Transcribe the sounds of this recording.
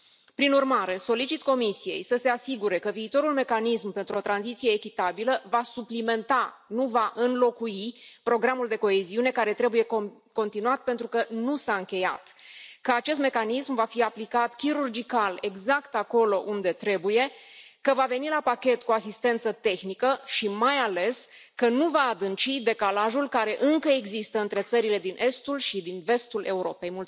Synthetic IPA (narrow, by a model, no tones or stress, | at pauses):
pɾinurmaɾe̞so̞lit͡ʃit̪ko̞misije̞̰jsəse̞asiɡuɾe̞kəviːt̪o̞ɾulme̞kanismpent̪ɾuo̞t̪ɾanzit̪sije̞ːkʲit̪abiləvasuplime̞nt̪anuvaʔɨnlo̞kuipɾo̞ɡɾamuld̪e̞ko̞eziune̞kaɾe̞t̪ɾe̞buje̞ | ko̞nt̪inuat̪̚pe̞nt̪ɾukənusaɨŋkʲe̞ja̰t̪kəat͡ʃe̞s̬t̪me̞kanismvafiaplikat̪kʲiɾurd͡ʒikale̞ɡzakt̪ako̞lo̞ʔund̪e̞t̪ɾe̞buje̞kəvave̞nilapakʲe̞t̪kuasist̪e̞nt̪sət̪e̞xnikəʃimajale̞s | kənuvaːd̪ɨnt͡ʃid̪e̞kalaʒulkaɾe̞ʔɨŋkəe̞ɡzist̪əɨnt̪ɾe̞t̪səɾile̞d̪inʔe̞st̪ulʃid̪inve̞st̪ule̞uɾo̞pejmult̪s